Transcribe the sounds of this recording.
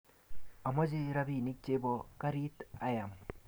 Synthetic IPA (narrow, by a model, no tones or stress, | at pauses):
ɐmɔd͡ʒiɾɐbinik̚t͡ʃebɔkɐɾit̪ajam